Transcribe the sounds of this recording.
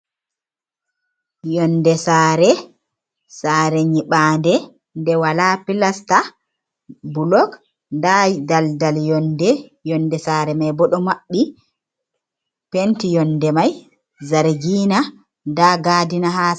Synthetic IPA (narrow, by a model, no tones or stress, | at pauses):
jɔndɛsaːɾɛ | saɾɛɲiɓandɛ | ndɛwalapilasta | bulɔk | ndadaldaljɔndɛjɔnːdɛsaːɾɛmajbɔɗɔmaɓːi | pentijɔndɛmaj | zaɾɡiːna | ndaɡadinaɦaː